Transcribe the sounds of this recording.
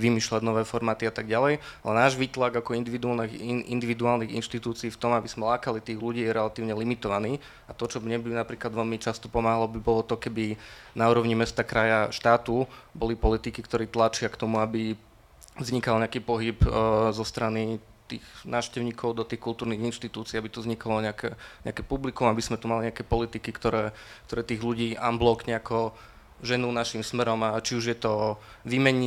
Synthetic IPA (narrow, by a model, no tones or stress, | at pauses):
ʋimiːʃlaɟnɔʋɛːfɔɾmaːt̪iat̪aɡɟalɛjalɛnaːʒʋiːt̪laɡakɔind̪iʋid̪ualnɛḭnd̪iʋid̪uaːlniɣḭnʃt̪it̪uːt͡siiːft̪ɔmabiz̥mɛlaːkalit̪iːɣluɟiːjɛɾɛlat̪iːʊɲɛlimit̪ɔʋaniː | at̪ɔt͡ʃɔmɲɛbinapɾiːklad̪ʋɛlmit͡ʃast̪ɔ̥pɔmaːɦalɔbibɔlɔt̪ɔkɛbinauːɾɔʊɲimɛst̪akɾajaʃt̪aːt̪ubɔlipɔlit̪ikikt̪ɔɾiːt̪lat͡ʃɪakt̪ɔmuabi | vzɲikalɲɛakiːpɔɦipzɔst̪ɾani | t̪ḭːɣnaːʊʃcɛʊɲiːkʰɔʊd̪ɔt̪iːxkulˠt̪uːɾniɣinʃt̪it̪uːt͡siːabit̪uzɲikalɔɲɛakɛɲɛ̰akɛpublikumabismɛt̪umaliɲɛakɛpɔlit̪ikikt̪ɔɾɛːk̚t̪ɔɾɛːt̪iːɣluɟiːʔamblɔkɲɛakɔ | ʒɛnunaʃimsmɛɾɔmat͡ʃiuʒjɛt̪ɔʋiːmɛɲ